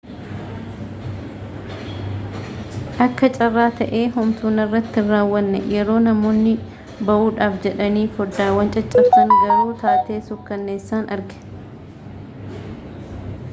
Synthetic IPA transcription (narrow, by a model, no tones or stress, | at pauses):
ʔɐkːɐt͡ʃʼɐrːaːt̪ɐʔeːɦʊmt̪uːnɪrːɐt̪ːɪrːaːwːɐnːɛjɛɾo̞ːnɐmo̞ːnːɪ | bɐʔuːᶑaːfd͡ʒɛᶑɐniːfɔdaːwɐnt͡ʃʼɐt͡ʃʼɐɾt̪ɐnɡɐɾuːt̪aːt̪e̞ːsʊkːɐnːeːsːaːnɐɾɡɛ̥